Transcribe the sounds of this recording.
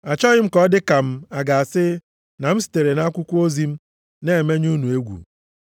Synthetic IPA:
a˨t͡ʃɔ˦ɣɪ˦m̩˦kɔ˦dɪ˦ka˨m̩˦a˨ɡa˨a˨sɪ˦ | na˨m̩˦si̥˨te˨ɾe˨na˦kʷʊ˦kʷu˦o˦zi˦m̩˦ | ne˦e˨me˦ɲ˦u˦nu˨e˦ɡʷṵ˨

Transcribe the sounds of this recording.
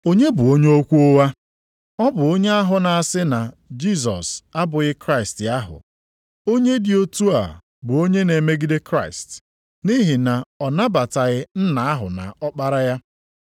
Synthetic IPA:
o˦ɲe˦bʊ˨o˦ɲe˦o˦kʷu˦o˦wa˦ | ɔ˦bʊ˨o˦ɲe˦a˦ɦʊ˨na˨a˨sɪ˦na˨ | d͡ʒi˦s̬ɔ̰˨sa˦bʊ˨ɣɪ˦kɾa˦ɪ˨sta˦ɦʊ̰˨ | o˦ɲe˦dɪ˨o˦tu˦a̰˨ | bʊ˨o˦ɲe˦ne˨me˦ɡi˦de˦kɾa˦˨ɪ˨st | ni˦ɦi˨na˨ɔ˨na˦ba˨ta˨ɣɪ˦n̩˦na˨a˦ɦʊ̰˨na̰˨ɔ˦k͡pa˦ɾa˦ja˦

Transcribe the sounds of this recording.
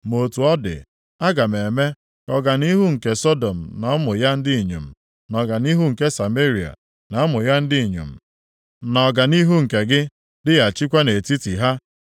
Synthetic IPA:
mo˨tu˨ɔ˦dɪ̰˨ | a˦ɡa˨m˨e˨me˦ | ɔ˦ɡa˨ni˦ɦu˦ŋ̩˨ke˨sɔ˦do˨m̩˨nɔ˨ɔ˦mʊ˨ja˦n̩˦dɪ˦i˨ɲṵ˨m̩˨ | nɔ˨ɡa˨ni˦ɦu˦ŋ̩˨ke˦sa˨me˦ɾi˨a̰˨ | na˨˦mʊ˨ja˦n̩˦dɪ˦i˨ɲṵ˨m̩˨ | nɔ˨ɡa˨ni˦ɦu˦ŋ̩˨ke˨ɡɪ˦ | dɪ˦ɣa˨t͡ʃi˦kʷa˦ne˨ti˦ti˨ɦa˦

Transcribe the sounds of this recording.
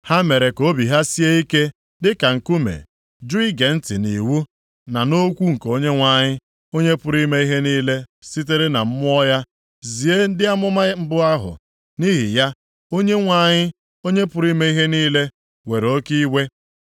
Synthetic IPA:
ha˦me˨ɾe˨ko˦bi˨ɦa˦si˦e˦i˦ke˦ | dɪ˦ka˨ŋ̩˨ku˦mḛ˨ | d͡ʒu˦i˦ɡe˨n̩˦tɪ˨ni˨wu˦ | na˨no˦kʷu˦ŋ̩˨ko˦ɲe˦ŋʷa˨ɲɪ˦ | o˦ɲe˦pʊ˨˦ɾi˦me˦i˦ɦe˦niː˦le˦si˦t̬e˦ɾe˦na˨m̩˦mʊ˦ɔ˦ja˦ | zi˨e˦n̩˦dɪ˦a˦mʊ˦ma˦m̩˦bʊ˦a˦ɦʊ̰˨ | ni˦ɦi˨ja˦ | o˦ɲe˦ŋʷa˨ɲɪ˦ | o˦ɲe˦pʊ˨ɾi˦me˦i˦ɦe˦niː˦le˦ | we˨ɾo˦ki˦we˦

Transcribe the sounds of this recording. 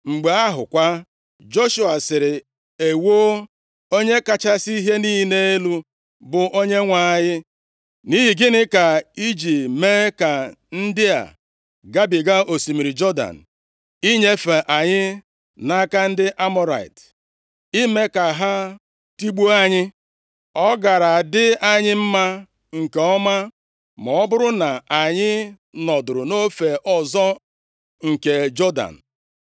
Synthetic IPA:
ŋ͡m̩˨ɡ͡be˨a˦ɦʊ̰˨kʷa˦ | d͡ʒo˦ʃu˨a˨sɪ˨ɾɪ˨ | e˨wo˦ | o˦ɲe˦ka˦t͡ʃa˦si˦i˦ɦe˦niː˦ne˦e˦lu˦ | bʊ˨ʔo˦ɲe˦ŋʷa˨ɲɪ˦ | ni˦ɦi˨ɡɪ˦nɪ˦ka˨i˦d͡ʒi˨me˦ka˨n̩˦dɪ˦a̰˨ | ɡa˦bi˨ɡa˦o˨si˨mi˨ɾi˨d͡ʒɔ˦da̰˨n̩˨ | i˦ɲe˦fe˨ʔa˨ɲɪ˦ | na˦ka˦n̩˦dɪ˦ʔa˦mɔ˦ɾa̰˨i˨t | i˦me˦ka˨ɦa˦ | ti˦ɡ͡bo˦a˦ɲɪ˦ | ɔ˦ɡa˨ɾa˨dɪ˦a˦ɲɪ˦m̩˦ma˦ | ŋ̩˨ke˨ɔ˦ma˦ | mɔ˨ɔ˦bʊ˦ɾʊ˦na˨a˨ɲɪ˦ | nɔ˨dʊ˨ɾʊ˨no˦fe˨ʔɔ˨zɔ˦ | ŋ̩˨ke˨d͡ʒɔ˦da̰˨n̩˨

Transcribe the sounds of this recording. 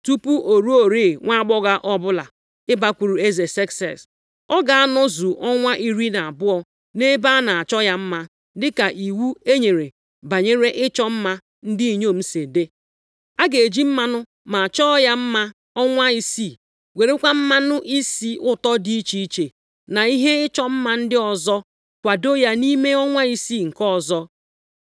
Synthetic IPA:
tu˦pu˦ʔo˨ɾu˦o˨ɾe˦˨ŋʷa˦a˦ɡ͡bɔ˦ɣa˦ʔɔ˦bʊ˦la̰˨ | ɪ˦ba˦kʷu˨ɾu˨e˦ze˨se˦ksɛ̰˨s | ɔ˦ɡa˨a˦nɔ˦zu˨ʔɔ˦ŋʷa˦ʔi˦ɾi˦na˨a˨bʊ˦ɔ˨ | ne˦ba˦na˨a˨t͡ʃɔ˦ja˦m̩˦ma˦ | dɪ˦ka˨ʔi˨wu˦e˦ɲe˨ɾe˨ | ba˨ɲe˦ɾe˦ʔɪ˦t͡ʃɔ˦m̩˦ma˦ | n̩˦dɪ˦i˨ɲo˦˨m̩˦se˨de˦ | a˦ɡe˨e˨d͡ʒi˦m̩˦ma˦nʊ˦ | ma˨a˨t͡ʃɔ˦ja˦m̩˦ma˦ | ɔ˦ŋʷa˦i˦si˦˨ | wʷe˨ɾe˦kʷa˦m̩˦ma˦nʊ˦ʔi˦si˦ʊ˦tɔ˦di˦i˦t͡ʃi˦i˦t͡ʃe˨ | na˨i˦ɦe˦ɪ˦t͡ʃɔ˦m̩˦ma˦n̩˦dɪ˦ɔ˨zɔ˦ | kʷa˨do˦ja˦ni˦me˦ɔ˦ŋʷa˦i˦si˦˨ŋ̩˨kɔ˦˨zɔ˦

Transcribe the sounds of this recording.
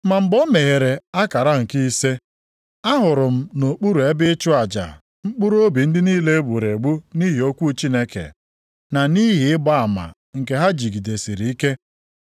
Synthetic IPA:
ma˨m̩˨bɔ˦me˨ɦe˨ɾe˨a˦ka˨ɾa˦ŋ̩˨ki˦i˦se˦ | a˦ɦʊ˨ɾʊ˨m̩˦no˨k͡pu˦ɾu˨e˦bɪ˦t͡ʃʊ˦a˨d͡ʒa̰˨ | ŋ͡m̩˦k͡pu˦ɾo˦bi˨n̩˦dɪ˦niː˦le˦bu˨ɾe˨ɡ͡bu˦ni˦ɦi˨o˦kʷu˦t͡ʃi˦ne˦kḛ˨ | na˨ni˦ɦi˨ɪ˦ba˦a˨ma̰˨ | ŋ̩˨ke˨ɦa˦d͡ʒi˨ɡi˨de˨si˨ɾi˨i˦ke˦

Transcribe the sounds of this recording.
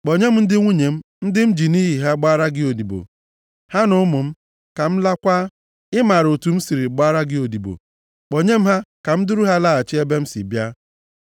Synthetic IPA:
k͡po˨ɲe˦m̩˦n̩˦dɪ˦ŋʷu˦ɲe˨m̩˦n̩˦dɪ˦m̩˦d͡ʒi˨ni˦ɦi˨ɦa˦ɡ͡ba˦ɾa˦ɡɪ˦o˨di˨bo̰˨ | ha˦nʊ˦mʊ˨m̩˦ | ka˨m̩˦la˦kʷaː˦ | ɪ˦ma˨ɾo˨tu˨m̩˦si˨ɾi˨ɡ͡baː˦ɾa˦ɡɪ˦o˨di˨bo̰˨ | k͡po˨ɲe˦m̩˦ɦa˦ka˨m̩˦dʊ˦ɾu˦ɦa˦la˦a˨t͡ʃɪ˦e˦be˦m̩˦sḭ˨bja˦

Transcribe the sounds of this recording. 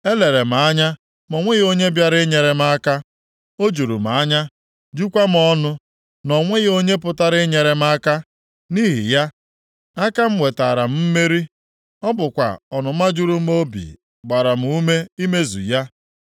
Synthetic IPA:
e˦le˨ɾe˨m̩˨a˨a˦ɲa˦ | mɔ˨ŋʷe˦ɣo˦ɲe˦bja˦ɾɪ˦ɲe˨ɾe˨m̩˦a˦ka˦ | o˦d͡ʒu˨ɾṵ˨m˨a˨a˦ɲa˦ | d͡ʒu˦kʷa˦m̩˨ɔ˦nʊ˦ | nɔ˨ŋʷe˦ɣo˦ɲe˦pʊ˨ta˦ɾɪ˦ɲe˨ɾe˨m˦a˦ka˦ | ni˦ɦḭ˨ja˦ | a˦ka˦m̩˦ŋʷe˨ta˨ɾa˨m̩˦m̩˦me˦ɾi˦ | ɔ˦bʊ˨kʷa̰˨ɔ˨nʊ˨m̩˦a˦d͡ʒu˦ɾu˦m̩˦o˦bḭ˨ | ɡ͡ba˨ɾa˨m̩˨u˦me˦i˦me˦zṵ˨ja˦

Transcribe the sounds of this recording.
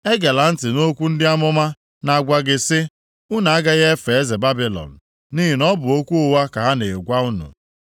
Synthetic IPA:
e˦ɡa˨la˨n̩˦tɪ˨no˦kʷu˦n̩˦dɪ˦a˦mʊ˦ma˦ | na˨ɡʷa˦ɡɪ˦sɪ˦ | ʊ˦na˨a˦ɡa˦ɣe˦e˦fe˨e˦ze˨ba˦bi˨lɔ̰˨n̩˨ | ni˦i˨nɔ˦bʊ˨o˦kʷu˦ʊ˦wa˦ka˨ɦa˦neː˨ɡʷa˦u˦nṵ˨

